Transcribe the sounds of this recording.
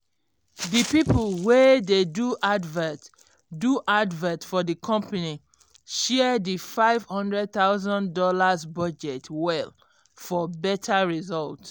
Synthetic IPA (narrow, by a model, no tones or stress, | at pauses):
dipipəlˠwededuʔadvɛt | duʔadvɛ̃tfɔðikʰɔ̃mpani | ʃɛdifaɪv̥hɔ̃ndɹɛd̚θaʊzɔ̃ndɔlazbɔd͡ʒɛtwɛl | fɔbɛtʰaɹizɔlt